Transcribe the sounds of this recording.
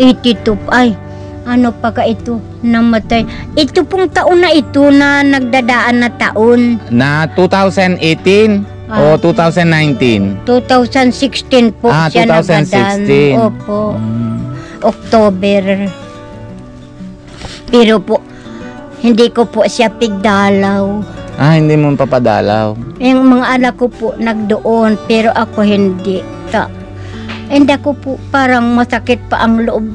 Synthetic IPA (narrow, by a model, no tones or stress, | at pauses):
ʔit̪it̪upaj | anopakait̪u | namat̪aj | ʔit̪upʊŋt̪aʔʊnːait̪unanaɡ̚d̪adaʔanːat̪aʔʊnnat̪ut̪ausanet̪in | aot̪ut̪ausanːajnt̪int̪ut̪ausansikst̪inpoaanausansdisniopoʔ | ʔok̚t̪oːbɛɾ | pɛːɾopʊʔ | hɪnd̪ɪkopʊʔsjapɪɡ̚d̪aːlawʔahɪnd̪imʊnpapad̪a̰ːlawjaŋmɐŋaʔɐlakopoʔnɐɡ̚d̪oʔonpɛːɾoʔɐkoɦɪnd̪ɪʔ | ka̰ | ɪnd̪ɪʔakopʊʔpaːɾaŋmɐsakɪt̪̚paʔɐŋlʊʔob̚